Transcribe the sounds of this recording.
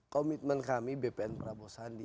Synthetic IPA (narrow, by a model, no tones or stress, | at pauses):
kɔmit̪̚mɛnkamibepeɛnpɾabosandi